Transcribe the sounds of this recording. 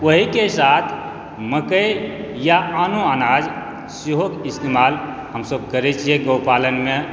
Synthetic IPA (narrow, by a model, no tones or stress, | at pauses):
wəɦikesat̪ʰ | məkəj | jaʔanoanad͡ʒ | siɦokist̪emal | ɦəmsəb̚kəɾɛt͡ʃʰijeɡəwpalənme